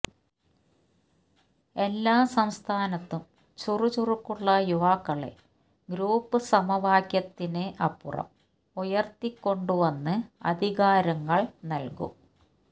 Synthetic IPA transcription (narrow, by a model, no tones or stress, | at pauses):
e̞lːaːsɐmst̪ʰaːnɐt̪ːum | t͡ɕurut͡ɕurukːuɭːɐjuʋaːkːɐɭḛ | ɡɾuːpːɨsɐmɐʋaːkjɐt̪ːine̞ʔɐpːurɐ̰m | ujɐrt̪ikːo̞ɳɖuʋɐnːɨɐ̰d̪ʱiɣaːɾɐŋːɐɭnɐlkṵ